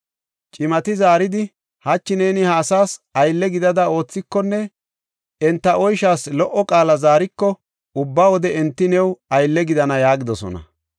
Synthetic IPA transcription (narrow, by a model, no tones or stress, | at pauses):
t͡ʃʼɪmɐt̪ɪzaːɾɪd̪ɪ | hɐt͡ʃːɪneːnɪhaːsaːsɐjlːɛɡɪd̪ɐd̪ɐo̞ːt͡sːɪkːɔnːɛ | ɛnt̪ːɐɔjʃaːslɔʔːɔkʼaːlɐzaːɾɪkːɔ | ʊbːawɔd̪ɛɛnt̪ːɪnɛwɐjlːɛɡɪd̪ɐnɐjaːɡɪd̪ɔsɔ̰nɐ̰